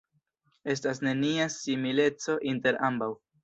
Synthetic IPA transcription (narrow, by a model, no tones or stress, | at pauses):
e̞stas̬ne̞niasimile̞t͡so̞ʔinte̞ɾʔambaw